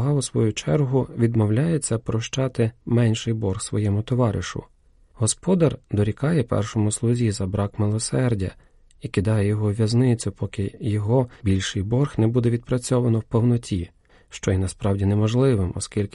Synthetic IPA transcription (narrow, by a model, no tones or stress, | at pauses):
ɦɑʊsʋɔjut͡ʃɛrɦʊʋʲid̪mɔwlʲajet͡sʲːɐpɾɔʃt͡ʃɑt̪ɪmɛnʲʃɪjbɔrxsʋɔ̰jɛmʊt̪ɔʋɑɾɪ̰ʃʊ̰ | ɦɔspɔd̪ɐrd̪ɔɾʲikɑjɛpɛ̰rʃɔmʊslˠʊzʲizɐbɾʔɑkmɪlˠɔsɛrdʲɐ̰ | ikɪd̪ɑjɛjɔɦɔʋʲjɐznɪt͡sʲʊpʰɔkɪjɔɦɔbʲilʲʃɪjbɔrxnɛbud̪ɛʋʲid̪̚pɾɐt͡sʲɔʋɐnɔwpɔwnɔtʲʰi | ʃt͡ʃɔjinɐspɾɑwdʲinɛmɔʒlˠɪʋɪmɔ̰skʲilʲkɪ